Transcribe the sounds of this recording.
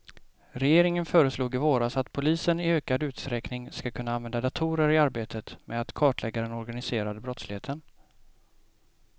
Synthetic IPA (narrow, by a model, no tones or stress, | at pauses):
ɾɛjeːɾɪŋənfœːɾəsluːɡɪvoːɾasat̪pʰʊliːsənɪøːkad̪ʉ̟ːt̪st̪ɾɛknɪŋskakʰɵnːaanvɛnd̪ad̪at̪ʰuːɾəɾɪaɾbeːt̪ʰət̪mɛ̰d̪at̪kʰɑːʈlʔɛɡaɾəɛnɔɾɡanɪseːɾad̪əbɾɔt̪slɪheːt̪ʰən